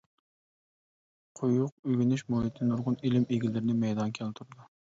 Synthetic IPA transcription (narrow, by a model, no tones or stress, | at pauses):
qʰʊjʊq̚øɡʲinyʃmohit̪ʰnuɾʁʊnilɪmeɡʲilɪɾɪnɪmɛjd̪ɑnkʲʰɛlt̪ʰuɾɨd̪u